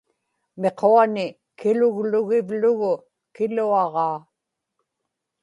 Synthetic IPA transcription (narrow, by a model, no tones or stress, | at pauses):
me̞qoanɪ | kɪlʊɣlʊɣɪvlʊɣʊ | kɪluɑʁɑː